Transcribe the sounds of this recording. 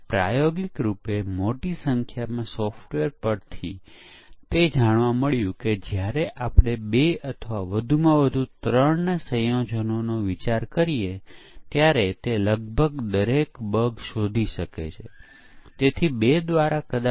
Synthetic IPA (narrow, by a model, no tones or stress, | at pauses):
pɾa̰joɡikɾupemoʈisəŋkʰjamãsɔfʈʋeɾpəɾt̪ʰḭ | t̪ed͡ʒaɽ̃ʋãməɭjũked͡ʒjaɾeʔapɽ̃ebeət̪ʰəʋaʋəd̪ʱumãʋəd̪ʱut̪ɾəɳnesəjõd͡ʒənonoʋit͡ʃaɾkəɾiet̪jaɾet̪eləɡ̚bʱəɡd̪əɾekbəɡʃod̪ʱiʃəkḛt͡ʃʰe | t̪et̪ʰibed̪ʋaɾakəd̪a